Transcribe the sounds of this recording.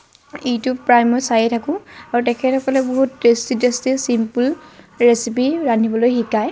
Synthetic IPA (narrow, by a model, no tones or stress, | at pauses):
ejtʊpɹajmɔjsajetʰakʊ̃aɹutɛkʰɛtʰɔkɔlɛboɦutɹestidestisimpul | ɹesipiɹanʱibɔlojxikaj